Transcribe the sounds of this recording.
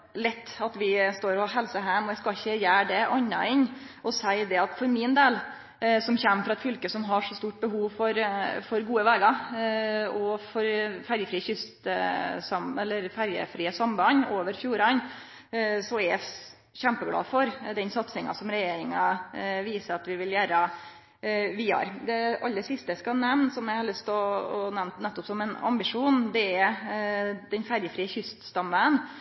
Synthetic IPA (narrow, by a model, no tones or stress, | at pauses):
lɛt̪ːɑt̪ʋɪst̪oːɾɑɦɛlsəɦæːmɔjæɪskɑçːəjæːɖɛʔɑɲːɑ̰ɪɲʔɔsæɪd̪ɛɑt̪fɔɾmɪnd̪eːl | sɔmçɛmːfɾɑɛt̪fʏlkəsɔmɦɑʂɔst̪uːʈ̚bəhuːʋfɔɾfɔɾɡuːəʋæːɡɑɾ | ɔfɔɾfæɾjəfɾiːəçʏst̪sɑmɛlːəɾfæɾjə̰fɾiːəsɔmbɑnoːʋəɾfjuːɾɑn | sɔɛ | çæmpəɡlɑ̰ːfɔɾd̪ɛnsɑt̪sɪŋɑ̰sɔmɾɛjeːɾɪŋɑʋiːsəɾɑt̪ʋɪʋɪljæːɾə | ʋiːɑ̰ɾd̪ɛɑlːəsɪst̪əskɑnɛʋnsɔmjæɪhɑlʏst̪ʰɔɔnɛʋnt̪nɛt̪ːɔpsɔmɛnɑ̰mbɪʂuːnd̪ɛæɾ | d̪̥ɛnfæɾjəfɾiːəçʏst̪st̪ɑmːəən